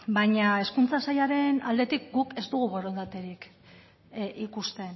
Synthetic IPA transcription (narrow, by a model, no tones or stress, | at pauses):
baɲae̞skunt͡sasajaɾe̞na̰ld̪e̞t̪ik̚ɡuke̞zd̪uɣuɣo̞rend̪at̪e̞ɾik | ʔikust̪e̞n